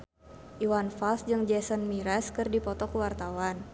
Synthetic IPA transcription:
ʔiwanfalsd͡ʒɨŋd͡ʒɛsənmiɾɛskɨrdipɔt̪ɔkuwart̪awan

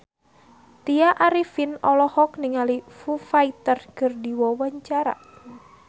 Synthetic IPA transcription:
t̪iaʔaɾifinɔlɔhɔk̚niŋalifufait̪ərkɨrdiwɔwaɲt͡ʃaɾa̰

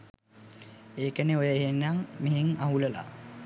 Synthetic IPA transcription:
eːkəneojəeɦenːaŋmiɦeŋaɦuləla̰

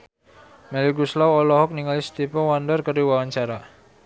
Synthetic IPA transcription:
mɛliɡuslawɔlɔɦɔk̚niŋalist̪ipɔwandərkəriwawaɲt͡ʃaɾa

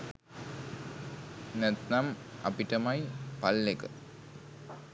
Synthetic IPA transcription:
nɛt̪nɐmɐ̰piʈɐmɐjpɐlːekə

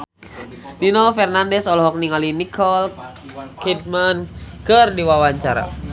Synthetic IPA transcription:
ninɔfɛrnandɛsɔlɔɦɔk̚niŋalinikʰɔl | kit̪̚mankɨrdiwawaɲt͡ʃaɾa̰

